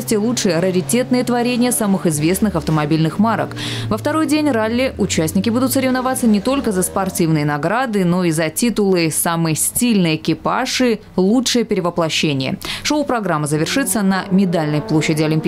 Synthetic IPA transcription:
sʲtʲɪəlˠutʂɨjəɾəɾʲɪtʲe̞t̪nɨjət̪vɐɾʲenʲɪjəsamɨxɨzvʲe̞snɨxɐft̪əmɐbʲilʲnɨxmaɾə̰kvəft̪ɐɾo̞jdʲenʲralʲːɪʔʊt͡ɕæsʲnʲɪkʲɪbud̪ʊt̪səɾʲɪvnɐvat̪sənʲɪt̪o̞lʲkəzəspɐrtʲivnɨjənɐɡɾad̪ɨno̞izɐtʲit̪ʊlˠɨsamɨjəsʲtʲilʲnɨjəkʲɪpa̰ʂɨ | lˠutʂɨjəpʲɪɾʲɪvəplˠɐɕːenʲɪjə̰ʂoʊpɾɐɡɾamːɨzəvʲɪrʂɨt̪sːənəmʲɪd̪alʲnəjplˠoɕːɪdʲɪɐlʲɪmpʲi

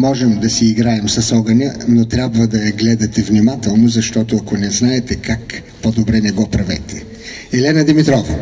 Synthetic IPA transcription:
mɔʒɛmd̪ɐsiːɡɾaɛmsɐsɔɡɐnʲənot̪ɾʲabvəd̪ɐjɐɡlɛd̪ɐt̪ɛvnʲimat̪ɛlˠnozɐʃt̪ɔt̪oɐkonɛznaɛt̪ɛkak | pod̪obɾɛnɛɡɔpɾɐvɛ̰t̪ɛ | ɛlɛnɐd̪imit̪ɾɔvɐ

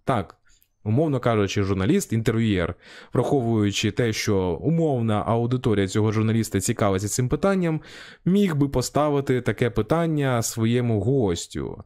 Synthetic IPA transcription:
t̪ɑk | ʊmɔwnɔkɑʒʊt͡ʃɪʒʊrnɐlʲist̪int̪erʋʲijɛ̰rʋɾɐxɔʋʊjʊt͡ʃɪt̪ɛʃt͡ʃɔʊmɔwnɐʔɐwd̪ɪt̪ɔɾʲijɐt͡sʲɔɦɔʒʊrnɐlʲist̪ɐt͡sʲikɑʋɪt͡sʲːɐsɪmpɪt̪ɑnʲːɐm | mʲixbɪpɔst̪ɑʋɪt̪ɪt̪ɐkɛpɪt̪ɑnʲːɐsʋɔjɛmʊɦɔsʲtʲʊ̰

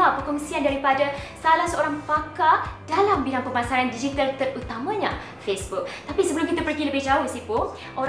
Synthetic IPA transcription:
apəkɔŋsiandaɾipadasalahsəoɾaŋfakadalambilaŋpəmasaɾandid͡ʒit̪alt̪ərut̪amãɲã | fesbuk̚t̪apisəbəlʊmkit̪apərɡiləbɪhd͡ʒaɾusipo | ʔo

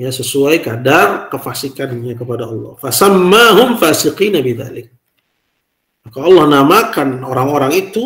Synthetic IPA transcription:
ɲasəsuajkadarkəfasikanɲakəpadaɑlːɑ̰hfasamːaɦʊmfaːsɪqiːnabɪða̰lɪk̚ | makaɑlːɑhnamakanoɾaŋoɾaŋit̪u

